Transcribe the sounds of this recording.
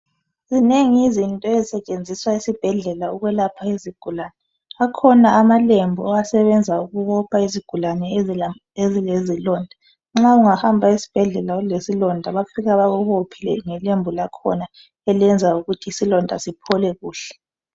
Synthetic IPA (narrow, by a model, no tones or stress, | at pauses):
zineŋiizintʼɔezisɛt͡ʃʼend͡zʱiswaisib̥ʱɛɮɛlauɣwɛlapʰaiziɡ̥ʱulanɛ | akʰɔnaːmalembʱuɔasɛβɛnd͡zʱauɣuβɔpʰaiziɡ̥ʱulanɛ | ezilezilɔndʱa | ŋ͡ǁauŋahambʱaisi̥b̥ʱɛɮɛlaulesilɔndʱaβafiɣaβaɣuβopʰilɛ̰ŋɛlembʱulakʰɔ̰na | ɛlɛnd͡zʱauɣutʰiːsilɔndʱa̰sipʰɔlɛɣuːɬɛ̥